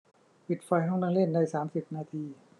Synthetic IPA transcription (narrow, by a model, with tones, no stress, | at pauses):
pi˨˩t̪̚fa˧jɦɔ˥˩ŋnaː˧ŋle˥˩nːa˧jsaː˩˦msi˨˩p̚naː˧t̪ʰiː˧